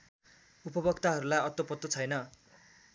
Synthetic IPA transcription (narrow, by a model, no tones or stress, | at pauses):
upʌbʌkt̪aɦʌɾulajʌt̪opʌt̪ːot͡sʰʌjnʌ